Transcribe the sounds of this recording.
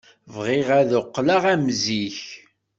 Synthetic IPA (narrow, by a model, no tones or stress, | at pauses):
vʁɪʁæðoqːlaʁæmziç